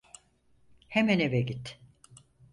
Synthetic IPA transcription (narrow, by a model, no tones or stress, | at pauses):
hemænevɛɟit̪